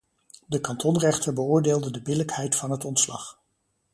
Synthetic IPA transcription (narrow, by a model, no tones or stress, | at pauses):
dəkɑntɔnrɛχtəɹbəʊːɹdeːlˠdədəbɪləkhɛjtfɑnɦətɔntslɑ̰χ